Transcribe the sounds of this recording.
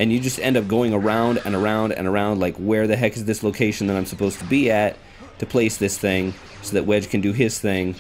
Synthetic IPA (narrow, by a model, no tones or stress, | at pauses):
ɨ̃njɨd͡ʒʌstɛ̃ndʌp̚ɡ̥oʊɪ̃ŋə˞ãʊ̃ndɨ̰̃nə˞ãʊ̃ndɨ̰̃nə˞ãʊ̃ndlaɪkwə˞ðɨɦɛkɨzðɪsloʊkʰeɪʃɨ̃n̩ðɨ̃ɾ̃ãɪ̃msəpʰoʊz̥tʰəbiɨtʰː | ɨpʰl̥eɪsðɪsθɪ̃ŋ | soʊðɨʔ̚wɛd͡ʒ̥kʰɨ̃n̩dɨɪz̥θɪ̃ŋ